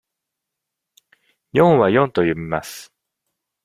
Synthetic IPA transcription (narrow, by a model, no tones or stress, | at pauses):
jõ̞ɰ̃βajõ̞nt̪o̞jomʲimasɨ̥